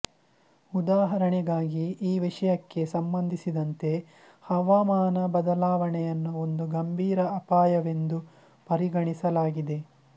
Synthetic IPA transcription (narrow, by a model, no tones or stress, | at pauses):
ud̪aːɦɐɾɐɳɛɡaːɡiiːʋiʂɐjɐkːe̞sɐmbɐnd̪ʱisid̪ɐnt̪e̞ | hɐʋaːmaːnɐbɐd̪ɐlaːʋɐɳɛjɐnːuo̞nd̪uɡɐmbʱiːɾɐːpaːjɐʋe̞nd̪u | pɐɾiɡɐɳisɐlaːɡid̪e̞